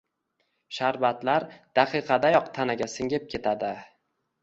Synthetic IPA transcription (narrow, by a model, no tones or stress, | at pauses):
ʃaɾvat̪laɾd̪̥aqʰɨqʰɑd̪ajɒqt̪ʰanaɡʲasɪŋʲep̚kʲʰe̞t̪ʰad̪ɪ